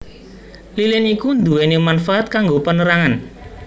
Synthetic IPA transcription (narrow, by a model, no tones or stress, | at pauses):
lilɪnikund̪uwenimanfaʔat̪̚kaŋɡopənəɾaŋan